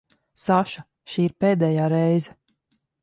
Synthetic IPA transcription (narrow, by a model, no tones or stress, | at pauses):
saʃa | ʃiːiɾpeːd̪ɛːjaːɾɛjzɛ